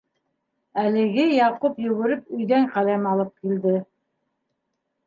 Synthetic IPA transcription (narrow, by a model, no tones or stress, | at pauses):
ælɘ̆ɡɘjɑqupjɵ̆ɣɘ̆ɾɘp̚ɵ̆jðæŋqælæmɑlˠɤp̚kild̪ɘ